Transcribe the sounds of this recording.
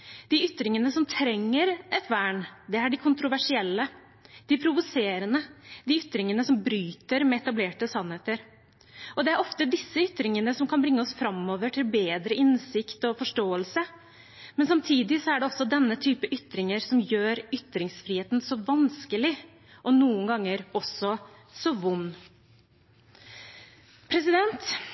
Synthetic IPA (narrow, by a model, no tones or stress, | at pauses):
d̪ɪʏt̪ɾɪŋənəsɔmt̪ʰɾɛŋːəɾɛt̪ʰʋæːɳd̪ɛæɖɪkʰʊnt̪ɾʊʋæʂɪɛlːə | d̪̥ɪpʰɾʊʋʊseːɾənəd̪ɪʏt̪ɾɪŋənəsɔmbɾyːt̪əɾmɛɛt̪ɑbleːʈəsɑnheːt̪əɾ | ʔɔd̪ɛæɾɔft̪əd̪ɪsːəʏt̪ɾɪŋənəsɔmkʰɑnbɾɪŋːəɔsfɾɑmoːʋəʈʰɪlbeːd̪ɾəʔɪnsɪkt̪ɔfɔʂʈoːəlsə | mɛnsɑmt̪ʰiːd̪ɪsɔæɖɛɔsːɔd̪ɛnːət̪ʰyːpəʔʏt̪ɾɪŋəɾsɔmjøːɾʏt̪ɾɪŋsfɾiːheːt̪n̩sɔʋɑnskəlɪ | ʔɔnuːəŋɡɑŋːəɾɔsːɔ | sɔʋʊnː | pʰɾɛsɪd̪ɛnt̪